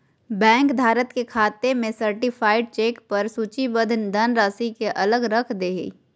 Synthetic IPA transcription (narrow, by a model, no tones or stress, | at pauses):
bɛ̃ːŋkb̪ʱaːɾət̪kekʰaːt̪emẽsəɾʈɪpʰaːɪɖ̚t͡ʃeːkpɐɾsuːt͡ʃibəd̪ʱnd̪ɐnɾaːsikeʔɐləɡɾəkʰd̪eːɦḭ